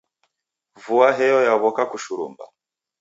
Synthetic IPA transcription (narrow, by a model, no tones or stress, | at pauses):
vuwaɦejojaβokakuʃuɾṵːmba̰